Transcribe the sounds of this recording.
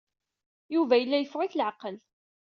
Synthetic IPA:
juvæjəlːæjfʁʊçləʕqəl

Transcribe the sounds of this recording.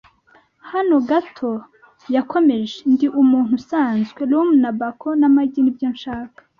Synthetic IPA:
hano̞ɡatʰo̞ | jako̞me̞ʒendiʔumuːn̥husaːnzɡwelumunabakʰonamaɟinibɟonʃaːkḁ

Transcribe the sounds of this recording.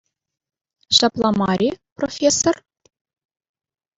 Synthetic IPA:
ɕɑplˠɑmɑɾʲiprofʲesːor

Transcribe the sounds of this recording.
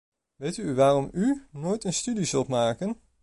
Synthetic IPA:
ʋejtyʋaːrɔmynoːjtənstydizɵlˠtmaːkən

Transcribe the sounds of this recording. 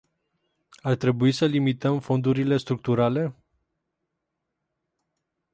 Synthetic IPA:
art̪ɾe̞buisəlimit̪əmfo̞nd̪uɾile̞st̪ɾuk̚t̪uɾale̞

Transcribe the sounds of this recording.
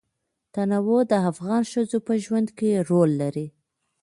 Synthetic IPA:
t̪anawod̪əafɣɑnʃəzopəʒwand̪keɾolːaɾi

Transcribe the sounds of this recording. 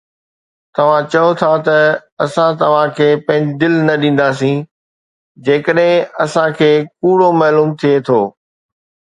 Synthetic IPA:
t̪ɐʋ̤ãt͡ɕɐjot̪ʰat̪ɐɐsãt̪ɐʋ̤ãkʰeːpɐ̃ɦɪ̃ɲd͡ʑɪd̪ɪlnɐɗĩːn̆d̪as̬ĩ | d͡ʑeːkəɗɦɪ̃ɐsãkʰeːkuːɽomɛːluːmt̪ʰiet̪ʰoː

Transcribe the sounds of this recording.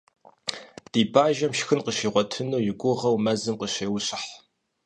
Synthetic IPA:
d̥iːbaːʒɐmʃxɨnqəɕiːʁʷɔtʰɨnuːjɪɡʷʊʁɐwmɐzɨmqəɕeːwɕʼɪħ

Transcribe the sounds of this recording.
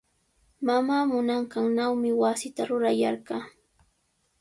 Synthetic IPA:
mamaːmʊnɑɴɢɑŋnawmɪwasɪt̪aɾʊɾajaɾɢɑː

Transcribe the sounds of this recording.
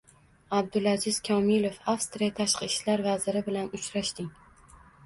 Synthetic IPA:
ab̚d̪ʊlˠazɪz̥kʲʰɒmɪlˠofafst̪ɾijat̪ʰaʃqɨʃlaɾvazɪɾɪbɪlanʊt͡ʃɾaʃt̪ɪŋ

